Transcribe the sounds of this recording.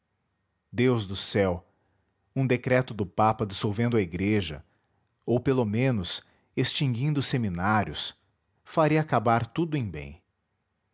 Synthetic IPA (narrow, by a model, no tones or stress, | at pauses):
d̪ewzd̪ʊsɛw | ũd̪ekɾɛt̪ʊd̪ʊpapɐad͡ʒɪsowvẽnd̪ʊɐiɡɾeʒɐ̰ | owpelomẽnʊs | est͡ʃĩŋɡĩnd̪ʊseminaɾjʊs | faɾiɐakabaɾt̪ud̪ʊẽj̃bḛ̃j̃